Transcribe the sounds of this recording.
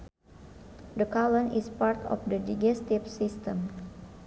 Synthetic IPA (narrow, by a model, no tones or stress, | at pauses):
dəkalə̃nispaɾt̪ɔ̰fdədid͡ʒɛst̪ifsist̪əm